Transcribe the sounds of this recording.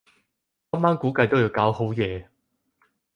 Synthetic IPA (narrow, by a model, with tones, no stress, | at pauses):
ɐː˥mːaː˥nkuː˨˥kɐ˧jt̪o˥wjiː˧wkaː˨˥who˨˥wjɛː˨˧